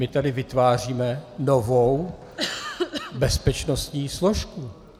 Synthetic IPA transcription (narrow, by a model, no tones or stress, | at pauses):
mɪt̪adɪvɪt̪vaːr̝iːmɛnovow | bɛspɛt͡ʃnost̪ɲiːsloʃku